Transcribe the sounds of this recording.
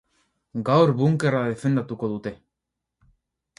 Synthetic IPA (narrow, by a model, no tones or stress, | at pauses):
ɡawɾβuŋke̞raðe̞fe̞nd̪at̪uko̞ðut̪e̞